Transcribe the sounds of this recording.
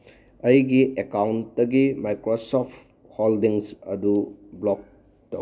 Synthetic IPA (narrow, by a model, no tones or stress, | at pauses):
ɐjɡiʔekawntːɐɡimajkɾosopʰ | holdiŋsɐdublok̚ | tɐw